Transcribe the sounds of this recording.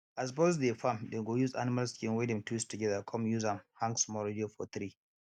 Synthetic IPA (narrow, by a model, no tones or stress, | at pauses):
as̬pɔz̬defamdeɡojuza̰nɪmalskĩnwɛdɛ̃mtwistuɡɛðakʰɔ̃mjuzãmhãŋɡsmɔɹediofɔt̪ɾi